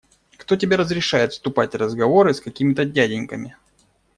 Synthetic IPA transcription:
kt̪o̞tʲɪbʲeɾəzɾʲɪʂajɪt̪st̪ʊpatʲrəzɡɐvo̞ɾɨskɐkʲimʲɪt̪ədʲædʲɪnʲkəmʲɪ

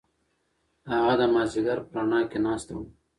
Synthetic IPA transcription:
haɣad̪əmazɪɡaɾpɾaɳɑːkenɑːst̪ḛwu

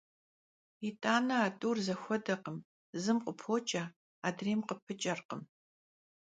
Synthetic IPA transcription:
itʼaːnɐaːtʼuːrzɐxʷɔdɐqəm | zɨmqʷʼʊpʰoːt͡ʃʼɐ | aːdreːmqəpʰɨt͡ʃʼɐrqəm

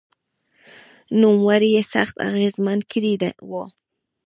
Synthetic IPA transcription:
numwaɾijesa̰χt̪a̰ɣezman̚kʰɾid̪a̰wo

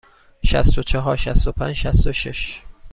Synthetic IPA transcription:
ʃæ̰st̪ot͡ʃʰeɦɒːɾʃæst̪opʰæ̰nd͡ʒʃæst̪oʃeʃ

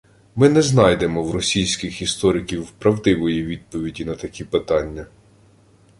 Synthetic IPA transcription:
mɪnɛznɑjd̪e̞mɔwɾɔsʲijsʲkʲɪxist̪ɔɾɪkʲiwpɾɐwd̪ɪʋɔjiʋʲid̪̚pɔʋʲidʲinɐt̪ɐkʲipɪt̪ɑnʲːɐ

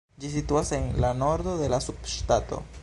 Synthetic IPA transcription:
d͡ʒisituase̞nlano̞ɾd̪o̞de̞lasubʃtato̞̰

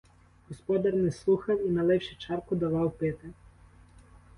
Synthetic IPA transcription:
ɦɔspɔd̪ɐrnɛslˠuxɐwinɐlˠɛwʃɪt͡ʃɑrkʊd̪ɐʋɑwpɪt̪ɪ

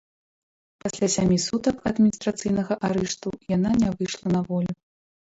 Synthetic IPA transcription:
pasʲlʲasʲamʲisut̪ɐkɐd̪mʲinʲist̪ɾat̪sɨjnɐɣɐʔaɾɛʂt̪ujananʲɛvɨʂlˠɐnɐvɔlʲu

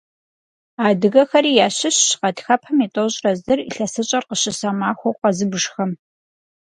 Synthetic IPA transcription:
aːdɨɣɐxɐɾiːjaːɕɪɕɕqɐdxɐpʰɐmitʼoɕʼrɐzɨrḭɬɐsɨt͡ʃʼɐrqəɕɪsɐmaːxʷowqɐzɨbɨʐxɐm

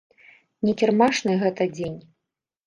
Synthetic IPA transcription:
nʲɛkʲɛrmaʂnɨɣɛt̪ɐd͡zʲenʲ

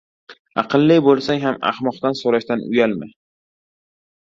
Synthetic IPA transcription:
ɑ̰qʰɨlˠːɪbolˠsaŋɦama̰hmɒqt̪ansoɾaʃt̪anʊ̰jalmɪ̰

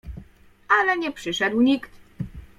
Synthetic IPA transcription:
alɛɲɛpʂɘʂɛd̪wɲikt̪

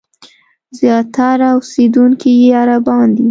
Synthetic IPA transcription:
zjɑt̪aɾaʊsed̪uŋkijeaɾabɑnd̪i

